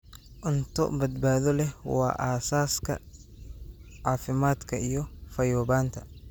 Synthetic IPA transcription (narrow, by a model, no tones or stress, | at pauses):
ʔʊnt̪ʰɔ̰bɐd̪baːðɔlɛwɑ̰ːʔaːsaːskʰɐ̰ | ʕaːfɪmaːd̪kʰɐijɔfɐjɔːβaːnt̪ʰɐ